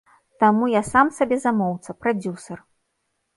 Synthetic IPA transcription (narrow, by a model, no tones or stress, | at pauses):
t̪amujasamsabʲɛzamɔwt̪sɐpɾad͡zʲusɐr